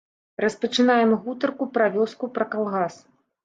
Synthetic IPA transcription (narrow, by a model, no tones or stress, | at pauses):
rɐspɐt͡ʂɨnajɛmɣut̪ɐrkupɾavʲɔskupɾɐkalˠɣas